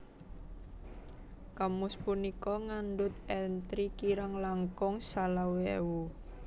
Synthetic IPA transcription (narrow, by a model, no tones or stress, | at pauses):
kamʊspunikɔŋanɖʊt̪ɛnt̪ɾikiɾaŋlaŋkʊŋsalawewu